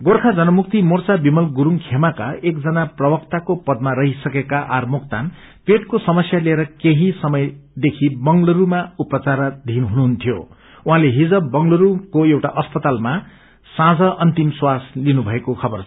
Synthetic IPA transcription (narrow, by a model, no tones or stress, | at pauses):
ɡorkʰad͡zʌnʌmuk̚t̪imort͡sabimʌlɡuɾuŋkʰemakaʔekd͡zʌnaprʌbʌkt̪akopʌd̪̚maɾʌɦisʌkekaʔarmokt̪an | peʈkosʌmʌsjalieɾʌkeɦisʌmʌjd̪ekʰibʌŋlʌɾumaupʌt͡saɾd̪ʱinɦunuɦunt̪ʰjo̰ | ũɦãleɦid͡zʌbbʌŋlʌɾukoewʈaʔʌspʌt̪alma | sãd͡zʌʔʌnt̪imswaslinubʱʌekokʰʌbʌr